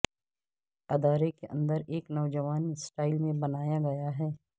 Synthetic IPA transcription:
ɐd̪aːɾekeʔə̰̃nd̪əɾeːknɔʋd͡ʒɐʋaːnisʈaːɪlmẽbɐnaːjaɡɐjaɦɛː

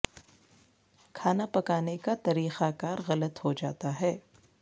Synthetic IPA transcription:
kʰaːnapɐkaːnekat̪ɐɾiːxakaːɾɣɐlət̪hod͡ʒa̰ːt̪aɦɛː

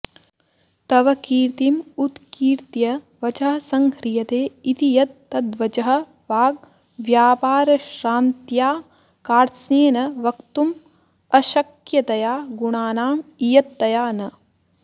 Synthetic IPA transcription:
t̪ɐʋɐkiːɾt̪imut̪kiːɾt̪jɐ | ʋɐt͡ʃɐɦɐsɐŋhɾijɐt̪eːit̪ijɐt̪ːɐd̪ʋɐt͡ʃɐɦɐ̆ | ʋaːɡ̚ | ʋjaːpaːɾɐʃɾaːnt̪jaː | kaːɾsneːnɐʋɐkt̪um | ɐʃɐkjɐt̪ɐjaːɡuɳaːnaːmijɐt̪ːɐjaːnɐ

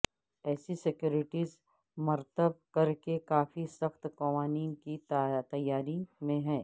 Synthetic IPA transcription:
ɛːsisɪkjuːɾɪʈiːz | mɐɾt̪əb̚kɐɾkekaːfisɐxt̪kɐʋaːniːnkit̪t̪ɐjːaːɾimẽɦɛ̃ː

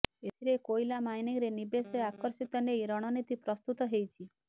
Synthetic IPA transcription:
et̪ʰiɾekojlamajniŋɾenibeseakɔɾsit̪ɔnejɾɔɽ̃ɔnit̪ipɾɔst̪ut̪ɔɦejt͡ʃʰi

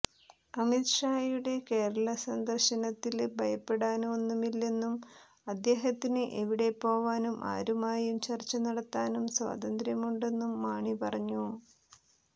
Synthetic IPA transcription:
ɐmit̪ʂaːjuɽe̞ke̞ːɾɐɭɐsɐnd̪ɐrɕɐnɐt̪ːilbʱɐjɐpːe̞ɽaːnonːumilːenːum | ɐd̪ːje̞ːɦɐt̪ːinɨʔeʋiɽe̞pːo̞ːʋaːnumʔa̰ːɾumaːjumt͡ɕɐrt͡ɕːɐnɐɽɐt̪ːaːnumswa̰ːd̪ɐnd̪ɾjɐmuɳɖe̞nːumːaːɳipɐrɐɲːu

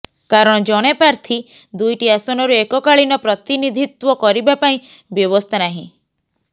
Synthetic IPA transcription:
kaɾɔɽ̃ɔd͡ʒɔɽ̃epɾaɾt̪ʰi | d̪ujʈiasɔnɔɾuekɔkaɭinɔpɾɔt̪inid̪ʱit̪wɔkɔɾibapaĩbjɔβɔst̪ʰanaɦĩ

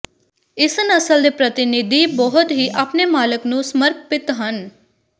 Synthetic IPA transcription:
ɪsənəsəld̪epɾət̪ɪnɪd̪ʱibɔɦʊt̪ɦiʔapnemaːləknũsməɾpɪt̪ɦən

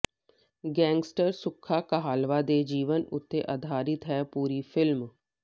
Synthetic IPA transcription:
ɡɛ̃ːŋɡsʈəɾsʊkʰːaːkəɦaːlʋaːd̪eːd͡ʒiːʋənʊ̰t̪ːeʔad̪ʱaːɾɪt̪ɦɛːpuːɾiːpʰɪlm

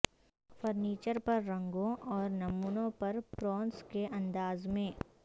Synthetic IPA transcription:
fəɾniːt͡ʃəɾpɐɾːɐ̃ŋɡõʔɔːɾnɐmuːnõpɐɾpɾɔːnskeʔɐ̃nd̪aːzmẽː

